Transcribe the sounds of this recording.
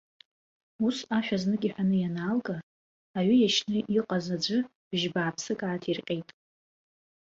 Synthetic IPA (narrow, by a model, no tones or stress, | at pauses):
usaʃᶣaznɨkʲʼiħʷᶣanɨjanaːlɡʼaː | ɥʏjaʃnɨʔiqʼazad͡ʒʷɨ | b̥ʒbaːpʰsɨkʼaːtʰirqʲʼejtʼ